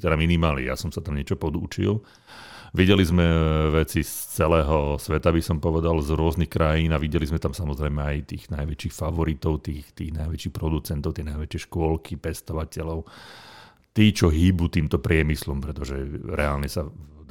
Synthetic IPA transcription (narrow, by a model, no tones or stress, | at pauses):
t̪ɛd̪aminimaːlɲɛ̰ja̰sɔmsat̪amɲɛt͡ʃɔpɔd̪ṵt͡ʃḭl | ʋiɟɛlizmɛʋɛt͡sist͡sɛlɛːɦɔsʋɛt̪abisɔmpɔʋɛd̪alzɾʊɔznixkɾajiːnaʋiɟɛlizmɛt̪amsamɔzɾɛjmɛajt̪iːɣnajʋɛt͡ʃixfaʋɔɾit̪ɔʊt̪iːxt̪iːɣnajʋɛt͡ʃixpɾɔd̪ut͡sɛnt̪ɔʊt̪ɪɛnajʋɛt͡ʃɪɛʃkʊɔlkʰipɛst̪ɔʋacɛlɔʊ | t̪iːt͡ʃɔɦibut̪iːmt̪ɔpɾɪɛmislɔmpɾɛt̪ɔʒɛɾɛaːlɲɛsa